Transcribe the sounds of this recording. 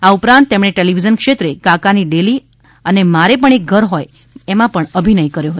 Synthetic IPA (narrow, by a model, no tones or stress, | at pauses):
aupɾãnt̪̚ːemɳeʈeliʋid͡ʒənkʃet̪ɾekãkaniɖeli | ənemaɾepəɳek̚ɡʱəɾɦoj | emãpəɳəbʱinəikəɾjoɦət̪o